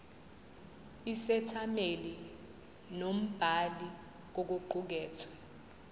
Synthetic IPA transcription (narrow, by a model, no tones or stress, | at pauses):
isɛtʰameli | nom̩b̥ʱali | k̬ok̬uǃuk̬ɛːtʰwa